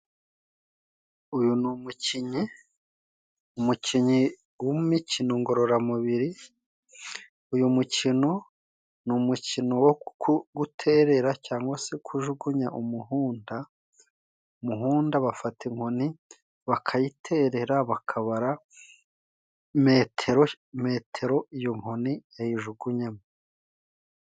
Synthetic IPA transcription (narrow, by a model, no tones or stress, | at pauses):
ujunumuciɲi | umuciɲi | womumicinoŋɡo̞ɾo̞ɾamuβiɾi | ujumucino̞ | numucino̞wokuɡutʰe̞ːɾe̞ɾacaːŋɡwase̞kʰuʒuɡuɲaʔumuɦuːnda | umuɦuːndaβafatʰeŋho̞ni | βakʰajitʰe̞ɾe̞ɾaβakʰaβaɾa | metʰeɾo | me̞ːtʰe̞ɾo̞ijoŋ̥ho̞nijajiʒuɡuɲame